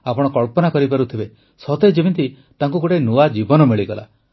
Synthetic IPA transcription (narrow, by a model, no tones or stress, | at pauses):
apɔɽ̃ɔkɔɭpɔnakɔɾipaɾut̪ʰibe | sɔt̪ed͡ʒebint̪i | t̪aŋkuɡoʈenuad͡ʒibɔnɔmiɭiɡɔla̰